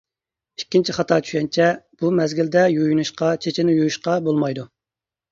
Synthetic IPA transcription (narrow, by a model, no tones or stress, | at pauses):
ikʲʰːint͡ʃʰiχɑt̪ʰɑɾt͡ʃʰy̥ʃɛnt͡ʃʰɛb̥umɛzɡʲɪld̪ɛjujunuʃqɑt͡ʃʰet͡ʃʰɪnɪjujuʃqɑbolˠmɑjd̪u